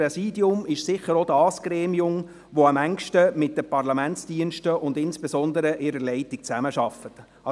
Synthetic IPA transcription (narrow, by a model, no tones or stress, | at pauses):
ɛsiːdiʊmɪʃsɪçəɾod̥ɑːsɡ̥ɾeːmiʊm | ʋoɑmæŋkʃtəmɪt̚d̥əpɑrlɑmænt͡sd̥iənʃtəʊndɪnsb̥esɔndəɾəʔɪɾəɾlɛɪtik̚t͡sæməʃɑfət | ɑ